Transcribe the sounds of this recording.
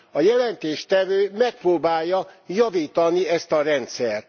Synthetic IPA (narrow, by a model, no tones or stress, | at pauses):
ɒjɛlɛnt̪eːʃt̪ɛvøːmɛk̚proːbaːjːɒjɒviːt̪ɒniɛst̪ɒɾɛnt̪sɛrt̪